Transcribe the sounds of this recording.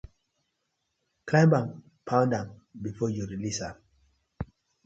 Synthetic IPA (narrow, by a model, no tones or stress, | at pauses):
kʰlãmbãm | pʰãʊ̃ndãmbifɔjuɹilisam